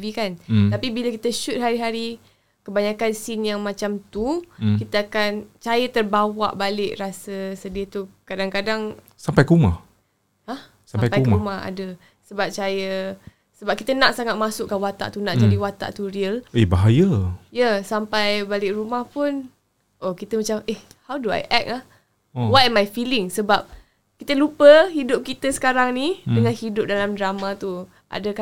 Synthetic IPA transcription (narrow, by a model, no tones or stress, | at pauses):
vikant̪apibiləkit̪əʃut̪̚ɦaɾiɦaɾi | kəbaɲakansinjaŋmãt͡ʃamt̪ukit̪əakant͡ʃajət̪ərbawa̰ʔbalɪʔrasəsədiət̪ukadaŋkadaŋ | sampajkəumah | hah | samajkpajukmaha̰də | səbap̚t͡ʃajə | səbap̚kit̪ənaʔsaŋat̪̚masʊʔkːawat̪a̰ʔt̪unaʔd͡ʒadiwat̪a̰ʔt̪uɾiəlebaɦajajəsampajbalɪkrumahpʊn | ʔokit̪əmat͡ʃamʔeh | hawdua̰jʔɛk̚lah | owatɛmajfilɪŋsəbap̚ | kit̪əlupəɦidʊp̚kit̪əsə̥kaɾaŋnidəŋanhidʊp̚dalamdɾamat̪u | ʔa̰dəka